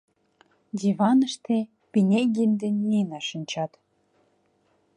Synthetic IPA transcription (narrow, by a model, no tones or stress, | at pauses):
dʲivɑnə̆ʃt̪ĕ | pʲinʲeɡʲinʲd̪enʲːinɑʃənʲt͡ɕɑt̪